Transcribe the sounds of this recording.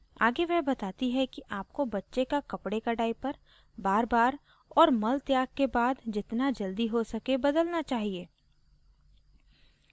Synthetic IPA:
a̰ːɡeʋɛɦbɐt̪aːt̪iɦɛkiʔaːp̚kobɐtːʃekakɐpɽekɐɽaːipɐɾ | baːɾbaːɾ | ɔːɾmɐlt̪jaːɡ̚kebaːd̪d͡ʒɪt̪nad͡ʒɐld̪iɦosɐkebɐd̪əlnat͡ʃaːɦieː

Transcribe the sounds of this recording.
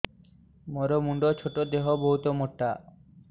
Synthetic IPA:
moɾomuɳɖot͡ɕʰoʈod̪eɦoboɦut̪omoʈːa

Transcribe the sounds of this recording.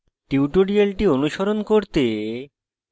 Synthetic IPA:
ʈiwʈoɖialʈionuʃoɾonkoɾt̪e

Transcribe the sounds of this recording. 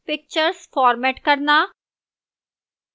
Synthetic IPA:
pɪk̚t͡ʃəɾsfɔːɾmɛːʈkəɾnaː

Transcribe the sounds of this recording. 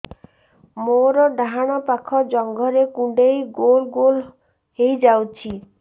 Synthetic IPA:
moɾɔɖaɦaɽ̃ɔpakʰɔd͡ʒɔŋɡʱɔɾekũɖejɡolɡol | hejd͡ʒawt͡ʃʰi

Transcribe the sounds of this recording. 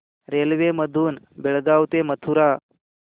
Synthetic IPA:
ɾelʋeməd̪ʱuːn | biɭɡawt̪emət̪ʰuɾa

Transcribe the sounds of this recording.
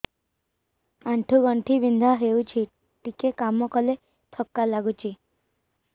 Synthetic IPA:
aɳʈʰuɡɔɳʈʰibind̪ʱaɦewt͡ʃʰi | ʈikekamɔkɔle | t̪ʰɔkːalaɡut͡ʃʰi

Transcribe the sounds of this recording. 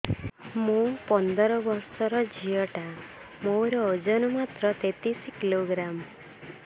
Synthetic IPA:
mũpɔnd̪ɔɾɔbɔɾsɔɾɔd͡ʒijɔʈa | mowɾɔːd͡ʒɔnɔmat̪ɾɔt̪et̪iskiloɡɾam

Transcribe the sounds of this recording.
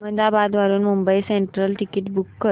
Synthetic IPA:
mənd̪abad̪ʋaɾuːnmumbəiseɳʈɾəlʈikiʈbukːəɾ

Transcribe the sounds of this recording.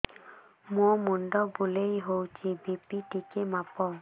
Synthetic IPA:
momundɔbulejɦowt͡ʃibipitikemapɔ

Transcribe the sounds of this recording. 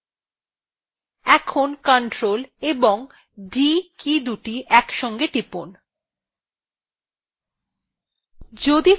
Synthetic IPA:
ɛkʰonkaɳʈɾoleboŋ | ɖikid̪uʈiʔɛkʃɔŋɡeʈipon | d͡ʑod̪i

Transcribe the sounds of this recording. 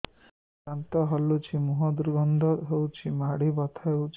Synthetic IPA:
ant̪ɔɦɔlːut͡ʃʰimuɦɔd̪uɾɡɔnd̪ʱɔɦewt͡ʃʰimaɽibɔt̪ʰaewt͡ʃʰ

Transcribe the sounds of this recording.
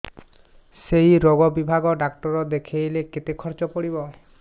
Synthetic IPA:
sejɾɔɡɔbibʱaɡɔɖakʈɔɾɔd̪ekʰejleket̪ekʰɔɾt͡ʃɔpɔɽibɔ

